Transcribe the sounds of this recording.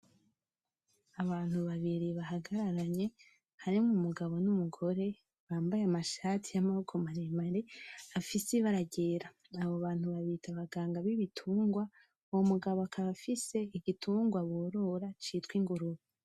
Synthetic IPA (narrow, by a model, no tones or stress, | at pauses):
aβaːn̥huβaβiɾiβaɦaɡaɾaɾaɲe̞ | haɾimumuɡaβo̞numuɡo̞ɾe̞ | βaːmbajeamaʃatʰijamahokʰomaɾemaɾe̞afiseβaɾaɟe̞ːɾa | aβoβaːn̥huβaβitʰaβaɡaːŋɡaβiβitʰuːŋɡwa | womuɡaβoakʰaβafise̞iɡitʰuːŋɡwaβoːɾo̞ɾat͡ʃitwiŋɡuɾuβi